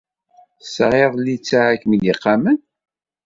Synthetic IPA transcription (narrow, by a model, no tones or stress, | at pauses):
sʁeðˤlːit͡sːaʕakːmiliqːamən